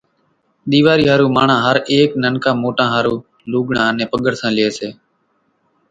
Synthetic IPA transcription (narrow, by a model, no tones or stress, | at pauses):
ɗ̪iːʋaːɾiːɦaːɾuːmaːɳãːɦəɾeːknənkãːmoːʈãːɦaːɾuː | luːɠɳãːnẽːpəɠəɽsãːlɪeːseː